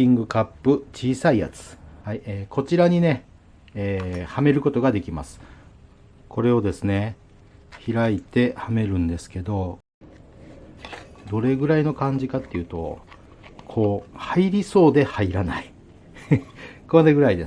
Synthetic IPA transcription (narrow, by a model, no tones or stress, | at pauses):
ĩŋɡɯ̟kapːɯ̟t͡ɕiːsaija̰t͡sɨ̥haiːkʰo̞t͡ɕiɾaɲ̟ine̞ | eːhame̞ɾɯ̟ko̞t̪o̞ɡad̪e̞kʲima̰sɨ̥ | ko̞ɾe̞o̞d̪e̞sɨne̞ | çiɾait̪e̞hame̞ɾɯ̟̃nd̪e̞sɨ̥ke̞d̪o̞ | d̪o̞ɾe̞ɡɯ̟ɾaino̞kãɲ̟d͡ʑikat̪ːe̞jiɯ̟ːt̪o̞̰ | kʰo̞ːhaiɾʲiso̞ːd̪e̞haiɾanai | koɾeɡɯ̟ɾaid̪e